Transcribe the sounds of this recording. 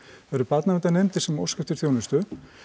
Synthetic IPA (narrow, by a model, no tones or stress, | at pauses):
vaɾʏpat̪navɛt̪anejmt̪ɪ̥sɛmo̰wscɛft̪ɪɾ̥θjoːwnɪst̪ʏ